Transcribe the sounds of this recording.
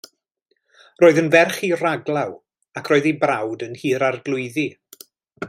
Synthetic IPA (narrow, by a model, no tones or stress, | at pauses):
roːɨðənvɛrχiraɡlˠaw | akʰroːðebrawdənhiːɾarɡlˠʊɨði